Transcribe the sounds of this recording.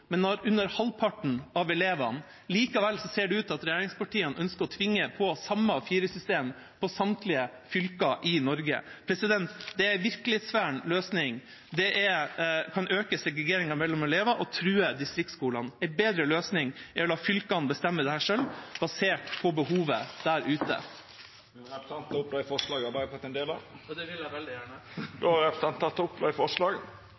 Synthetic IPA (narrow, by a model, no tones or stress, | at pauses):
mɛnːɔɾʉnːəɾhɑlpʰɑʈɳ̩ɑʋɛleːʋɑ̰n | liːkɑʋɛlsɔseːɖʉʉːt̪ɑt̪ɾɛjeːɾɪŋspɑʈiːənʔœnskəɾɔt̪ʰʋɪŋːəpʰɔsɑmːəfiːɾəsʏst̪eːm | pʰɔsɑmt̪ʰlɪəfʏlkɑʔɪnɔɾɡə̰pʰɾɛsɪd̪ɛnt̪d̪ɛæɾæʋɪɾklɪeːt̪sʋæːɳløːsnɪŋ | d̪ɛʔɛkʰɑnʔøːkəsɛɡɾɛɡeːɾɪŋɑmɛlːɔmɔleːʋɑʔɔt̪ʰɾʉːəd̪ɪst̪ɾɪk̚t̪skuːlɑnɛbeːd̪ɾəløːsnɪŋæʋɪlɑːfʏlkɑnbəst̪ɛmːəd̪ɛhæːʂœlbɑseːʈpʰɔbəhuːʋəd̪̥æːɾʉːt̪ə̰ | ɛpsɑnt̪ːʊpːlɑːɪfɔʂlɑːɡɑbɑɾfɔt̪ːɛnd̪eːlɑ̰ | d̪ɛʋɪlæʋɛld̪ɪjæːɳəd̪uɑɾɛpɾsɑnt̪ʰːɑt̪ːʊpːlɑɪfɔʂlɑːɡ